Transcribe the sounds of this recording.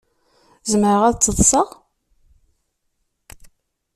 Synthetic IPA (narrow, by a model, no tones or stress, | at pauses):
zəməɾəʁæðt͡sːəðˤsəʁ